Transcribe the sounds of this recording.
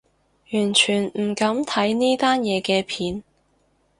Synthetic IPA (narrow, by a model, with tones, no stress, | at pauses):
jyː˨˩nt͡ʃʰyː˨˩nm̩˨˩kɐ˨˥mt̪ʰɐ˨˥jniː˥t̪aː˥njɛː˨˧kɛː˧pʰiː˨˥n